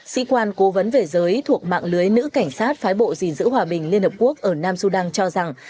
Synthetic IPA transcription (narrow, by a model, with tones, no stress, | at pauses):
sḭ˧˥kwaː˧nko˨˦və˨˦nve˨˩zəː˨˦jt̪ʰu˨˩ək̚ma̰ː˧˨ŋlɨ˨˦əjnɨ̰˧˥ka˧˩jŋ̟saː˦˥t̚faː˨˦jɓo̰˧˨zi˨˩nzɨ̰˧˥ɦwaː˨˩ɓï˨˩ŋ̟li˧ənhə˨˩p̚ku˦˥ək̚ʔəː˧˩naː˧msu˧ɗaː˧ŋt͡ɕɔ˧za˨˩ŋ